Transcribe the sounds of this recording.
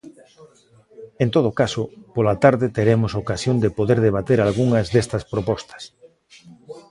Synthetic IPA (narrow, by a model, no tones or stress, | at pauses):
ent̪oð̞okasʊpolat̪aɾðɪt̪eɾemosokasjond̪epoðeɾðeβ̞at̪eɾalɣuŋɐzðest̪ɐspɾopɔst̪ɐ̥s